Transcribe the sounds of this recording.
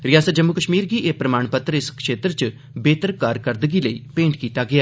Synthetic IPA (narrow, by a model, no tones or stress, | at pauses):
ɾɪjaːsət̪̚d͡ʒəmːukəʃmiːɾɡiːʔeːpɾəmaːɳpət̪ːɾəɪskʃeːt̪ɾt͡ʃ | beːt̪əɾkaːɾkəɾd̪əɡiːləiːpẽːɳʈkiːt̪aːɡɪaː